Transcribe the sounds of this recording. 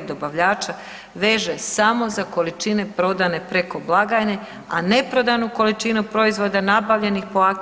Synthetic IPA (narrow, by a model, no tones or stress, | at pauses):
d̪o̞baʋʎaːt͡ʃa | ʋe̞ʒesamo̞zako̞lit͡ʃine̞pɾo̞d̪ane̞pɾe̞ko̞blˠaɡajne̞ | ane̞pɾo̞d̪anuko̞lit͡ʃinupɾo̞izʋo̞d̪anabaʋʎe̞nixpo̞ak